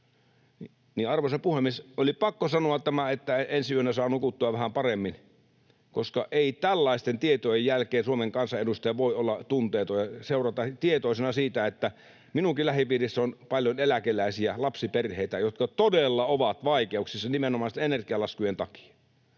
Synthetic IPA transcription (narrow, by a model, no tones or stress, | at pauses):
ni | niɑrʋosepuhemːˑiesolipɑkːosɑnoɑt̪t̪æmæet̪ːæensiyønːæsɑːnukut̪ːuɑʋʋæhæmpɑremːin | koskɑʔeˑit̪ælːɑist̪ent̪iet̪ojejjælkˑeːnsuomeŋkɑnsɑedust̪ɑjɑʋoˑiolːɑt̪unt̪eːt̪ojɑseˑurɑt̪ɑt̪iet̪oˑisenɑsiːt̪æet̪ːæ | minukilæhipiːrisːæonpɑljonelækelˑæˑisiælɑpsiperheit̪æjot̪kɑt̪odelːɑoʋɑt̪ʋɑikeuksisːɑnimenomɑˑst̪enerkiɑlɑskujent̪ɑki̥ɑ̥